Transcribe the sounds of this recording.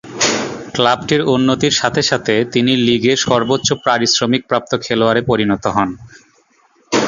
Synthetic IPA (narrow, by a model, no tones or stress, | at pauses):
klabʈiɾunːot̪iɾʃat̪ʰeʃat̪ʰet̪iniliɡeʃɔɾbotːɕopɾaɾisɾomik̚pɾap̚t̪okʰeloaɾepoɾinɔt̪oɦɔn